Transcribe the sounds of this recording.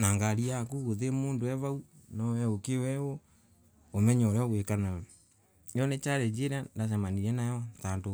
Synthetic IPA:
naŋɡaɾiakuɣoðemoːndoɛβaunɔɛokewɛwo | omɛɲɔɾɔɣwekana | ɔnet͡ʃaɾɛd͡ʒeɾandas̬amaniɾɛnajɔtando

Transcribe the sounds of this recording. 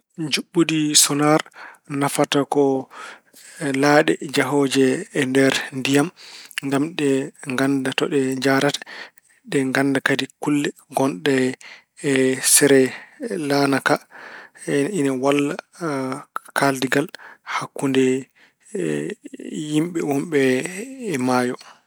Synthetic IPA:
d͡ʒuɓːudisɔnaɾnafatakɔ | laɗɛd͡ʒaɦɔd͡ʒɛːndɛɾndijamŋɡamɗɛŋɡandatɔɗɛd͡ʒaɾatḁ | ɗɛŋɡandakadikulːɛɡɔnɗɛ | sɛɾɛlanaka | ɛinawalːa | kaldiɡalhakːundɛ | jimɓɛwumɓɛː | maːjɔ

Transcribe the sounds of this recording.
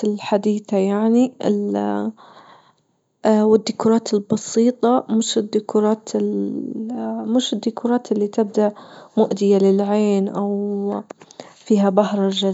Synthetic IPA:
ɪlħad̪iːθajaʕniɪ̰l | wɪd̪ːʊkuːɾˤɑːt̪ɪlbɑsiːt̪ˤɑmɪʃɪd̪ːʊkuɾˤɑːt̪ɪ | mɪʃɪd̪ːʊkʰuːɾˤɑːt̪ɪlːit̪ɪb̚d̪aʔmʊʔd̪ɪjalɪlʕeːnʔaw | fiːɦabahɾˤɑʒa

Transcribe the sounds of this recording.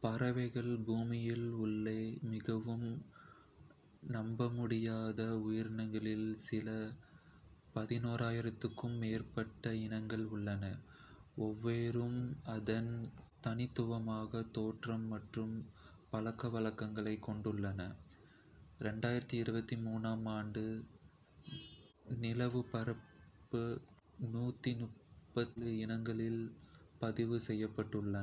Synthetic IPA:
pɐɾɐʋɐɪɣɐɭbuːmɪjɪlʊɭːeːmɪɣɐʋɯm | nɐmbɐmʊɽɪjaːðɐʊjɪɾnɐŋɡɐɭɪlsɪlɐ | pɐðɪnoːɾaːjɪɾɐt̪ːɯkːɯmːeːrpɐʈːɐɪnɐŋɡɐɭʊɭːɐnɐ | ɔʋːeːɾɯmɐðɐnt̪ɐnɪt̪ːɯʋɐmaːɣɐt̪oːʈrɐmːɐʈrɯmpɐlɐkːɐʋɐɭɐkːɐŋɡɐɭɐɪkːɔɳɖɯɭːɐnɐ | ɾɛɳɖaːjɪɾɐt̪ːiɪɾɯbɐt̪ːimuːnaːmaːɳɖɯ | nɪlɐʋɯpɐɾɐpːɯ | nuːt̪ːinʊpːɐɯɪnɐŋɡɐɭɪlpɐðɪʋɯsɛjːɐpːɐʈːɯɭːɐ

